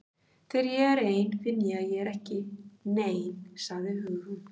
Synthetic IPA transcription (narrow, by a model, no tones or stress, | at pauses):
θʰɛɾjɛɣɛɾeːjnfɪnjaːjɛɛɾɛhcɪneːjnsaɣðɪɦʏɣhʏn